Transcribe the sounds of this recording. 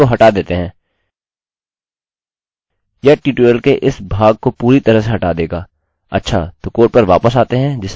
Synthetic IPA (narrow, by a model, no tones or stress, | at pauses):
oɦɐʈad̪eːt̪eɦɛ̃ː | jaʈiːʈeːəlkeʔɪsbʱaːɡ̚kopuːɾit̪ɐɾəseɦɐʈaːd̪eːɡaː | ɐ̰tːʃʰa̰ːt̪okoːʈ̚pɐɾʋa̰ːpəsaːt̪eɦɛ̃d͡ʒɪs